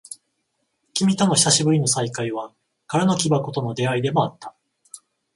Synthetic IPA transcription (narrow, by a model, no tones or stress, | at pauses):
kʲimʲit̪o̞no̞çʲi̥saɕibɯ̟ɾʲino̞saikaiβa | kaɾano̞kʲibako̞t̪o̞no̞d̪e̞aid̪e̞mo̞at̪ːḁ